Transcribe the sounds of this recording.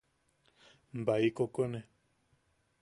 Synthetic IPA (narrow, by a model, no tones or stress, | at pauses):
mbaikokonẽ